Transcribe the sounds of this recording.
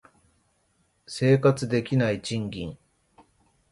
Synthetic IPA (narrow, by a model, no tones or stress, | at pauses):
se̞ːkat͡sɨd̪e̞kʲinait͡ɕĩŋɡʲĩŋ